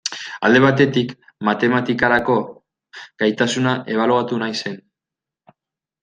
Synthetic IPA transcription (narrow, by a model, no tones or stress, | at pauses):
ald̪e̞β̞at̪e̞t̪ik | mat̪e̞mat̪ikaɾako̞ | ɡ̥ajt̪asunaʔe̞β̞aluat̪unajse̞n